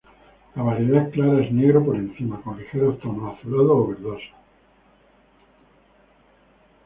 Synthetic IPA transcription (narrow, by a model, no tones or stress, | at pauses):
laβaɾeðehklaɾaezneɣɾopoɾe̞n̟θimakonlixeɾot̪onaθulaðoːβeɾðosḁ